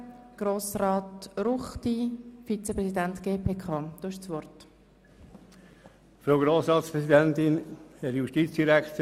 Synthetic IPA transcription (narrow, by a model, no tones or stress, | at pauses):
ɡ̥ɾoːsrɑːtɾuχt̪ifit͡sepɾɛsidæntɡ̥eːpʰeːkʰɑːd̥oːɪʃsʋɔrt | fɾoʊɡɾoːsɾɑːt̪spɾɛsid̪ɛnt̪ɪnhɛɾjuʃtiːt̪t͡sd̪̥iɾækt̪